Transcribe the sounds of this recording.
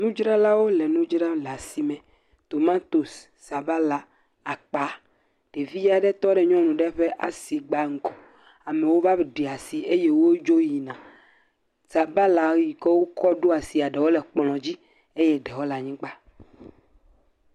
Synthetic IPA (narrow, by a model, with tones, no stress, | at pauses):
nũ˦d͡ʒɾa˦la˦wo˦lɛ˨nũ˦d͡ʒɾa˦la˨si˨mɛ̃˨ | t̪o˨mã˦t̪o˨sː | a˨ba˦la˨ | a˨k͡pa˨˦ | ɖ̥e˨vi˦ja˨ɖɛ˦t̪ɔ˦ɖɛ˨ɲɔ̃˦nũ˨ɖɛ˦ɸɛ˦ʔa̰˨si˨ɡ͡ba˦ŋ̩˦kɔ˨ | a˨mẽ˨wo˦va˦˨ɖe˨a˨si˨e˦je˦wo˦d͡ʒo˦ji˨nã˨ | sa˨ba˦la˨˦ji˨ke˦wo˦kɔ˦ɖo˦a˨si˨a˨ɖe˨wo˦lɛ˨k͡plɔ̃˨d͡ʑi˦ | e˦jɛ˦ɖe˨wo˦la˨ɲĩ˦k͡pa˦